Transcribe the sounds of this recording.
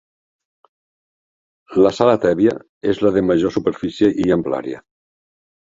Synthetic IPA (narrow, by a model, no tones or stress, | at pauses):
ləsalat̪ɛβiə̰ | ezləðəməʒosupeɾfisjeʔiəmpla̰ɾjə̰